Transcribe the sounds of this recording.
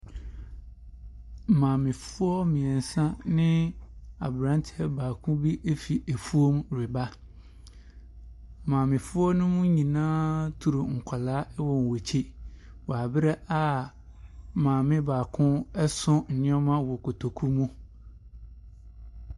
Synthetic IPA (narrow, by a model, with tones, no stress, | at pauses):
mãː˨mɪ̃˨fʊ˦ɔ˦mĩ˨ɛ˨n̩˨sã˦nɪ̃˦a˨bɾã˨˦n˦tʰɛ˦baː˨kʰʊ̃˦bi˦ʔe˦fi˨ʔe˨fu˦o˦mɾɪ˨ba˦˨ | mãː˨mɪ̃˨fʊ˦ɔ˦nʊ̃˦mʊ̃˦ɲĩ˨nãː˦tʰu˨ɾu˨ŋ̩˨kʷʰa˨laː˦ɛ˦wɔ̃˨n˨wo˨t͡ɕʰi˦ | wɔ˨a˨bɪ˦ɾɛ˦ʔa˨ | mãː˨mɪ̃˦baː˨kʰʊ̃˦ɛ˦sʊ̃˦n̩˨nɪ̃˦ɔ˦mã˦wɔ˨kʰo˨tʰo˨kʰu˦mũ˦